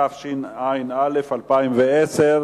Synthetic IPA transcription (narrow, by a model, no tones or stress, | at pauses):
afʃinajnalefalpaimveeseʁ